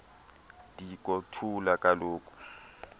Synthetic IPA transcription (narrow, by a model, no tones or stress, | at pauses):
dik̬ʼɔtʰulakʼaloːkʼu̥